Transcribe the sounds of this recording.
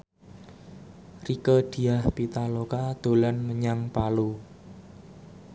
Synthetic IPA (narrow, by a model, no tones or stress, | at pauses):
rikəd̪̥i̤ahpit̪alokad̪̥o̤lanməɲaŋpalu